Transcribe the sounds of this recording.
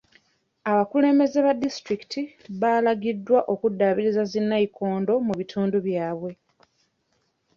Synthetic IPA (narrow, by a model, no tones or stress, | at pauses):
aβakule̞ːmbe̞ze̞βadːistɾiki̥tʰiβaːlaɡidːwaʔo̞kudːaβiɾizazinːaikʰo̞ːndo̞muβitʰuːnduβjaːβwe̞